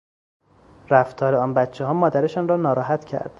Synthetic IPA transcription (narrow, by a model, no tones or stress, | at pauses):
ɾæft̪ʰɒːɾeɒːnbæt̪t͡ʃʰːeɦɒːmɒːd̪æɾeʃɒːnrɒːnɒːɾɒːɦæt̪cʰæ̰ɾd̪̥